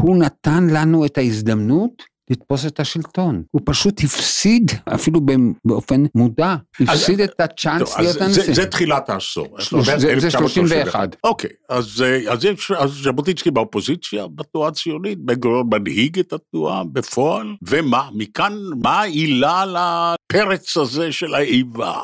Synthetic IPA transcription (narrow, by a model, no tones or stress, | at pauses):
hunatanlanuetaizd̪amnut | lit̪po̞s̬etaʃilto̞nhupaʃuthifsida̰filubebeo̞fe̞nmudahifsidetat͡ʃansijotanizɛt̪χilat̪aːso̰eʃozezeʃloʃimʃveːχa̰dokʰejazeazɛʃazʃabot̪it͡skibeopo̞zit͡sja̰batuat͡sijonit̪̚beɡojomanhiɡet̪at̪uabefoalvemamikanmailalapʰeʁet͡sazeʃelaejva̰